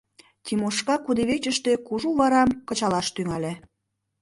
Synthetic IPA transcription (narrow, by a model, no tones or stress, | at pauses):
t̪ʲimoʃkɑkud̪eβet͡ɕə̆ʃt̪ĕkuʒuβɑɾɑmkɤ̆t͡ɕɑlɑʃt̪yŋɑlʲe